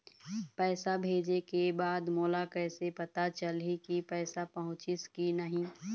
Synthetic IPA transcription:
pɛːsabʱeːd͡ʒekebaːd̪moːlakɛːsepɐt̪at͡ʃəlɦikipɛːsapɐɦʊ̃t͡ʃɪskinəɦĩ

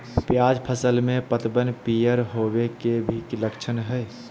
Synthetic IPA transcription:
pjaːd͡ʒpʰəsəlmẽpət̪bənpijəɾɦowekebʱikləkt͡ʃʰənɦɛː

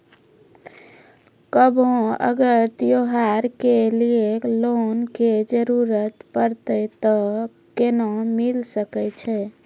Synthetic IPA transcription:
kəbʱõə̰ɡəɾt̪joɦaɾkelieklonked͡ʒəɾuɾət̪pəɾt̪ɛt̪ɔ | kenɔmilsəkɛt͡ʃʰɛ

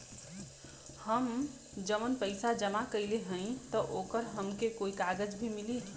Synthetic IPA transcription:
həm | d͡ʒəmənpəɪsad͡ʒəmakəɪleɦə̃ɪ̃t̪ɔʔokəɾɦəmkekoikaɡəd͡ʒbʱimili

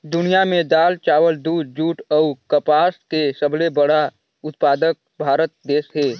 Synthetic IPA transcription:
d̪ʊnijamẽd̪aːlt͡ʃaːʋəld̪uːd̪d͡ʒuːʈɔʊkəpaːskesəblebəɽa | ʊt̪̚paːd̪ək̚ | bʱaːɾət̪̚d̪eːsɦeː

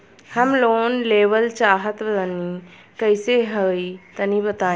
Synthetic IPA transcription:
həmloːnleːʋəlt͡ʃaːɦət̪bɐt̪əni | kəjseɦəit̪ənĩbət̪aː

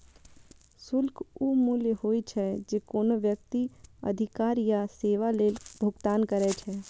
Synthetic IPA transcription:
sʊlkuːmuːljəhoːit͡ʃʰɛd͡ʒeːkoːnoʋjək̚t̪iə̰d̪ʱɪkaːɾjaseːʋaleːlbʱʊɡt̪aːnkəɾɛt͡ʃʰɛː

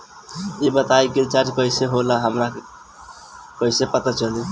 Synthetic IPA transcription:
ibət̪ajkilt͡ʃad͡ʒkəjseɦolaɦəmɾa | kəisepət̪at͡ʃəli

